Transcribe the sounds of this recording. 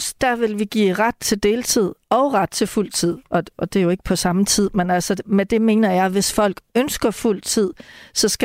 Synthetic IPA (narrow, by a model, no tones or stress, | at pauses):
d̥æʋe̝lʋiɡ̥ḭːʁad̥̚t͡sʰe̝ld̥e̝ːlt͡sʰið̰ˠɒ̽ʊʁɑd̥̚t͡sʰe̝ful̰t͡sʰið̰ˠʔɒ̽ɒ̽d̥e̝jo̝e̝ɡ̥ə̥pʰɒ̽sɑ̈mət͡sʰið̰ˠmenæl̰səmed̥e̝me̝ːnɐjɑ̈ɪʋe̝sfɒ̽l̰ɡ̥ønsɡ̥ɐful̰t͡sʰið̞̰ˠsɒ̽sɡ̥